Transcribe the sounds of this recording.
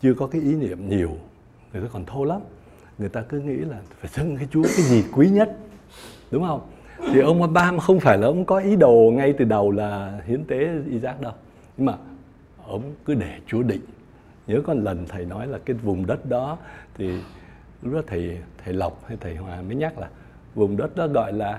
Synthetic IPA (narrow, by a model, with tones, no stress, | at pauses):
t͡ɕɨ˧əkɔ˨˦kaː˨˦jʔi˨˦nḭ˧˨əmɲi˨˩əw | ŋɨ˨˩ət̪aː˧kɔ˨˩nt̪ʰo˧la˨˦m | ŋɨ˨˩əjt̪aː˧kɨ˨˦ŋḭ˧˥laː˨˩faː˧˩jzə˧ŋkaː˨˦jt͡ɕu˨˦əkaː˨˦jzi˨˩kwi˨˦ɲə˦˥t̚ | ɗʊ˨˦ŋ͡mhə˧wŋ͡m | t̪ʰi˨˩ʔə˧wŋ͡ma˧ɓaː˧ma˨˩xə˧wŋ͡mfaː˧˩jlaː˨˩ʔə˨˦wŋ͡mkɔ˨˦ʔi˨˦ɗo˨˩ŋa˧jt̪ɨ˨˩ɗə˨˩wlaː˨˩hi˨˦ənt̪e˨˦ʔi˧˦zaː˦˥k̚ɗə˧w | ɲɨ˧ŋmaː˨˩ | ʔə˧wŋ͡mkɨ˨˦ɗe˧˩t͡ɕu˨˦əɗḭ˧˨ŋ | ɲəː˨˦kɔ˨˧nlə˨˩nt̪ʰə˨˩jnɔ˨˦jlaː˨˩kaː˨˦jvʊ˨˩ŋ͡mɗə˦˥t̚ɗɔ˨˦t̪ʰi˨˩ | lʊ˦˥k͡p̚ːt̪ʰə˨˩jt̪ʰə˨˩jla˨˩wk͡p̚ha˧jt̪ʰə˨˩jhwaː˨˩mə˨˦jɲa˦˥k̚laː˨˩ | vʊ˨˩ŋ͡mɗə˦˥t̚ɗɔ˨˦ɣɔ̰˧˨jlaː˨˩